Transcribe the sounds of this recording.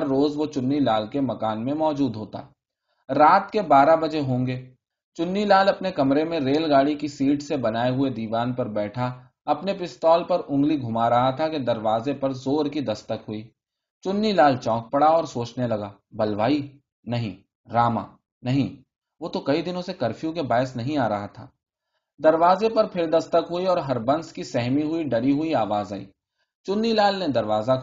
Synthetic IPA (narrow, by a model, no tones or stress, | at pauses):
ɐɾːoːzʋot͡ʃʊnːilaːlkemɐkaːnmẽmɔːd͡ʒuːd̪ɦoːt̪a̰ː | ɾaːt̪kebaːɾabɐd͡ʒeɦõːŋɡeː | t͡ʃʊnːilaːlɐpnekɐmɾemẽɾeːlɡaːɽikisiːʈsebɐnaːeɦʊed̪iːʋaːnpɐɾbɛːʈʰa | ɐpnepɪst̪ɔːlpɐɾʊ̃ŋɡliɡʱʊmaɾɐɦat̪ʰaked̪ɐɾʋaːzepɐɾzoːɾkid̪ɐst̪əkɦʊiː | t͡ʃʊnːilaːlt͡ʃɔ̃ːk̚pɐɽaɔːɾsoːt͡ʃnelɐɡaː | bɐlʋaːi | nɐɦĩ | ɾaːma̰ː | nɐɦĩ | ʋoːt̪okɐid̪ɪnõsekɐɾfʰjũk̬ebaːɪsnɐɦĩaːɾɐɦat̪ʰa̰ː | d̪ɐɾʋaːzepɐɾpʰɪɾd̪ɐst̪əkɦʊiɔːɾɦɐɾbɐ̃nskisɛɦmiɦʊiɖɐɾiɦʊiaːʋaːzaːḭː | t͡ʃʊnːilaːlnẽd̪ɐɾʋaːza